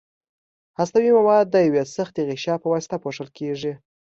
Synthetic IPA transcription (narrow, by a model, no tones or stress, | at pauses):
hast̪awimawɑd̪̚ːəjawesəxt̪eɣɪʃjɑpəwɑsɪ̥t̪apoʂəlkeʐi